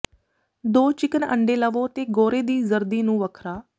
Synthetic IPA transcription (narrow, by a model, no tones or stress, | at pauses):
d̪oːt͡ʃɪkənə̰ɳɖeːləʋoːt̪eːɡoːɾeːd̪iːzəɾd̪iːnũːʋəkʰɾaː